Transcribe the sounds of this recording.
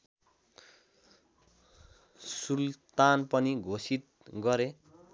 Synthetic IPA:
sult̪anpʌniɡʱosit̪̚ | ɡʌɾe

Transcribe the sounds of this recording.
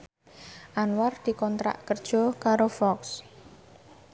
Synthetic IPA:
ʔanward̪̥i̤kɔnt̪ɾa̰ʔkərd̥ʒ̥ɔ̤kaɾofɔks

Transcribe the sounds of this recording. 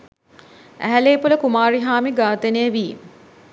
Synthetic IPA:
æ̰ɦæleːpuləkumaːɾiɦaːmiɡaːt̪enejəʋiːm

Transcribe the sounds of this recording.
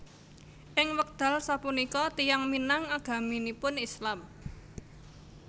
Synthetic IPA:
ʔɪŋwək̚d̪̥a̤lsapunikɔt̪ijaŋminaŋaɡ̥a̤minipʊnislam

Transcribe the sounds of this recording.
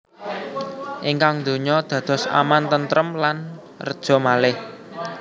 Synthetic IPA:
ʔiŋkaŋnd̪̥o̤ɲɔd̪̥ä̤d̪̥ɔ̤sa̰mant̪ənt̪ɾəmlan | rəd̥ʒ̥ɔ̤malɪh

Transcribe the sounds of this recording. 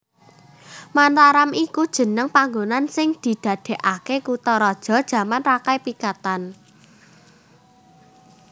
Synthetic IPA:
mant̪aɾamikud̥ʒ̥ə̤nəŋpaŋɡonansɪŋd̪̥i̤d̪̥ä̤d̪̥e̤ʔakekut̪ɔɾɔd̥ʒ̥ɔ̤d̥ʒ̥ä̤manrakajpikat̪an

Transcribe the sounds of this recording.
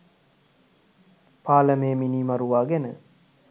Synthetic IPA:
paːləmeːminiːmaɾuʋaːɡænə̰

